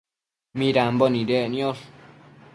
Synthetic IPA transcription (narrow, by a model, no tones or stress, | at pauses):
miɾambɔnidenios